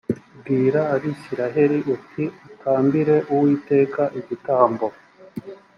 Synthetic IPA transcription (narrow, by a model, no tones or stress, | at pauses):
bɡiːɾaːɾisiɾaɦe̞ɾiʔutʰiutʰaːmbiɾe̞ʔuwiːte̞ːkaʔiɟitaːmbo̞